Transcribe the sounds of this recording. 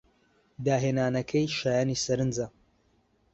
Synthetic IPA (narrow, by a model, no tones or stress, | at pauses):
d̪aːɦeːnaːnɐkʰɐjʃaːjaːnisɐɾɨnd͡zɐ